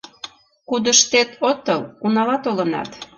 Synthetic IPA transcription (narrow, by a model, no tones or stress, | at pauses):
kud̪əʃt̪et̪ot̪əlunɑlɑt̪olənɑ̰t̪